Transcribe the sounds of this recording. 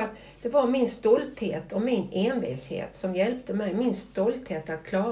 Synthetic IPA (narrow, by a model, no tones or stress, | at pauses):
at̪ | d̪̥ɛvaɾmɪnst̪ɔlt̪heːt̪ʰɔmɪneːnvḭshḛːt̪sɔmjɛlp̚t̪əmɛjmɪnst̪ɔlt̪heːt̪at̪̚kʰlɑː